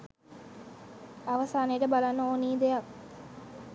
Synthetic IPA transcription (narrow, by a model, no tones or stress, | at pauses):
ɐʋɐsaːnejːʈəbalanːɐoːniːd̪eak